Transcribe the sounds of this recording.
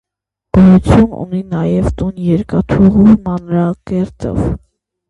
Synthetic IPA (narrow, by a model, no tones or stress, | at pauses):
b̥ɔjut͡sʰjunṵninɑjɛvt̪unjɛɾkɑt̪ʰuʁumɑnɾɑkɛɾt̪ɔ̰v